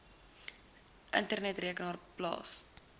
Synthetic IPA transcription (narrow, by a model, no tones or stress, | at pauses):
ʔə̰ntərnɛtriəknɑːrplɑ̰ːs